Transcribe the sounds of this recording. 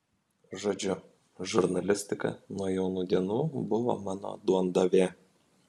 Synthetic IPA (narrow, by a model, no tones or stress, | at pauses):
ʒoːd͡ʒʲʊ | ʒʊɾnɐlʲɪsʲt̪ʲɪkɐ̰nuɔjɛʊnuːd̪ʲiɛnuːbʊʋo̰mɑːno̰d̪uɔnd̪oʋʲeː